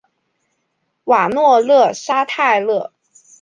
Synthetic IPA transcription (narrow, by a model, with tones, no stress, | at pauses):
wa˨˩nwɔ˥˧lɤ˥˩ʂa˥t̪ʰa˥˧ɪlɤ˥˩